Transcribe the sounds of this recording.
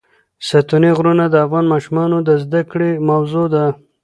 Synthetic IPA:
sat̪uniɣɾunad̪əafɣɑnmɑʃumɑnod̪əzd̪akɽemawzod̪a

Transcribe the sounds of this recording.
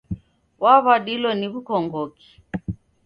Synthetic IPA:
waβaɗilɔniβukɔŋɡɔki̥

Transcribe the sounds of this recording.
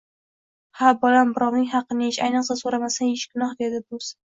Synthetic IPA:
habɒlambɪɾɒwnɪŋɦɑqːɨnɪʃajnɨqsasoɾamasanɪʃɡʊnɒhd̪ed̪ɪbʊz

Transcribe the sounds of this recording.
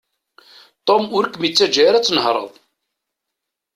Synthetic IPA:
t̪ˤomʊɾkːmit͡sːæd͡ʒaɾæt͡sːənəhɾˤə̰ðˤ

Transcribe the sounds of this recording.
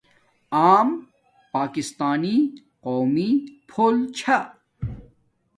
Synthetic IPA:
aːm | paːkist̪aːni | qoːmipʰoːlt͡ɕʰɐ

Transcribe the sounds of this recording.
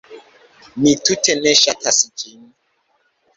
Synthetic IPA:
nitutɛnɛʃatʰasit͡ʃini

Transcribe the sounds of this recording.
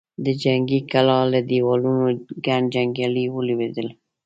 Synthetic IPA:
d̪əd͡ʒaŋɡikalɑlad̪iwɑlunoɡaɳd͡ʒaŋɡjaliwəlwed̪əl

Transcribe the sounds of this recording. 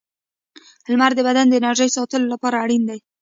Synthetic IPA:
əlmaɾd̪əbad̪and̪əɪnaɾʒəjsɑt̪əlolapɑɾaːɽind̪aj

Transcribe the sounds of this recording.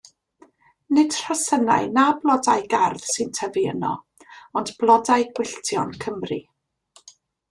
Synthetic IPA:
nɪd̥r̥ɔsəna̰ɨnablˠɔdajɡarð̥sɨntʰəviə̰nɔ̰ | ɔndb̥lˠɔdaɨɡwɪɬtʰjɔnkʰəmrḭ

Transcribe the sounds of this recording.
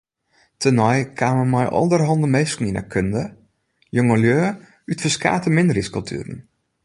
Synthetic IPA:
tʰənɔjkʰaːməmɔjʔɔ̰lˠdərɦɔndənmejskŋ̩ina̰kʰøndə | joŋəljøː | ytfəska̰ːtəmɪndriskɔlˠtʰy̰ɾən̩

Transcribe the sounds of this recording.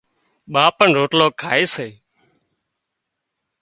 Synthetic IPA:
ɓaːpəɳɾoːʈloːkʰaːeːseː

